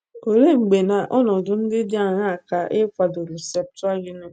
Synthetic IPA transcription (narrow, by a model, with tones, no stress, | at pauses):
o˨ɾe˦ŋ͡m̩˨ɡ͡be˨na˨ʔɔ˦nɔ˨dʊ˨n̩˦dɪ˦dɪ˦a˨ɲa˦a˨ka˨ʔe˦kʷa˨dʊ˨ɾi˨se˨p̚tʊ˦a˦ɣi˦ne˦